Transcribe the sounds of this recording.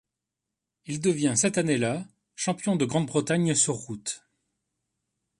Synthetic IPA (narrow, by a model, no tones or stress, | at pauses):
ild̪əvjɛ̃sɛt̪anela | ʃɑ̃pjɔ̃d̪əɡʁɑ̃d̪bʁət̪aɲsɔʁːut̪